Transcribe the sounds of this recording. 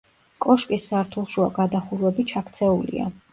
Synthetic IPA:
kʼɔʃkʼisːaɾt̪ʰulˠʃua̰ɡad̪aχuɾwɛbit͡ʃʰakʰt̪sʰɛulḭa̰

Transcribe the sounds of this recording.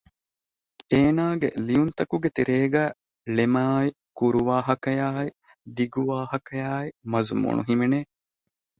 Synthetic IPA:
eːnaːɡḛliunt̪ɐkuɡet̪iɾeːɡæː | lemaːi | kuɾuʋaːɦɐkɐjaːi | d̪iɡuʋaːhɐkɐjaːimɐzumṵnṵɦimeneː

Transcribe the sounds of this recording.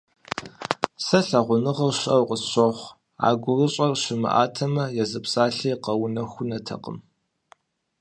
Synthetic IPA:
sɐɬɐʁʷʊnɨʁɐrɕɐwqəsɕʷɐχʷ | a̰ːɡʷʊrɨɕʼɐrɕɪmɨ̰ʔaːtʰɐmɐjɛzɨpsaːɬiːqɐwʊnɐxʷʊnɐtʰɐ̰qə̰m

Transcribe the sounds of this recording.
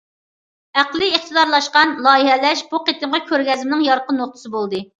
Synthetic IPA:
æqlˠɨːχt̪ɨd̪ɑɾlˠɑʃqɑnlˠɑːjiɦɛlɛʃbuqʰet̪ɨmʁɑkʲʰøɾɡʲɛzɪmɪnɪŋjɑɾqənːoχ̚t̪ʰɨ̥sɨbolˠd̪ɨ

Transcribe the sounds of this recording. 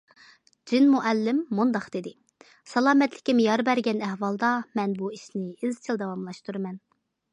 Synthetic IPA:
d͡ʒinmuʔɛlːɪmːund̪ɑqd̪ed̪ɪ | sɑlˠɑːmɛt̪lɪ̥kʲimjɑɾbæɾɡʲɛnɛhwɑlˠd̪ɑmɛnbuiʃnɪɪzt͡ʃʰilˠd̪ɛwɑmlˠɑʃt̪uɾɨmɛn

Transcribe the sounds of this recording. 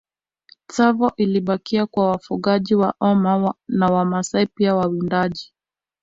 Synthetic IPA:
t͡savɔʔiliɓakiakwawafuɠaʄiwaʔɔmanawamasaipiawawindaʄi

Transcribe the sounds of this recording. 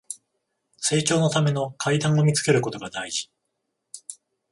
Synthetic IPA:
se̞ːt͡ɕo̞ːno̞t̪ame̞no̞kʰaid̪ãɰ̃o̞mʲit͡sɨ̥ke̞ɾɯ̟ko̞t̪o̞ɡad̪aiʑi̥

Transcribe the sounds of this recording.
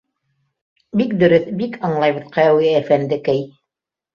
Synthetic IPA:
bikd̪ɵ̆ɾɵθbikɑɴlˠɑjβɤðqɑjɑwæfænd̪ɘkæj

